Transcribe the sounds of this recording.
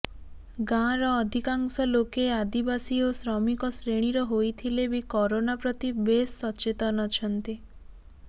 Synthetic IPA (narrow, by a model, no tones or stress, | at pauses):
ɡãɾɔːd̪ʱikaŋsɔlokead̪ibasiosɾɔmikɔsɾeɽ̃iɾɔɦojt̪ʰilebikɔɾonapɾɔt̪ibesːɔt͡ʃet̪ɔnɔt͡ʃʰɔnt̪i